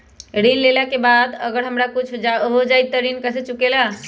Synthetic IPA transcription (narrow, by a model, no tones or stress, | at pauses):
ɾinlelakebad̪ə̰ɡəɾɦəmɾakut͡ʃʰaɦod͡ʒajt̪ːəɾinkəset͡ʃukela